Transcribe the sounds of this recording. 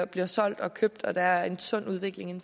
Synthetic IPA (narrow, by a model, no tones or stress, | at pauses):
b̥liɐsɒ̽l̰d̥ɒ̽kʰøb̥̚d̥ɒ̽d̥ææɐe̝nsɔ̽n̰uð̞ˠʋe̝ɡ̥le̝ŋe̝n